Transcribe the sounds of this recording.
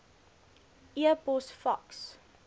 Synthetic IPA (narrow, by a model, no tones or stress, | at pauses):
ʔiəbɔsfɐks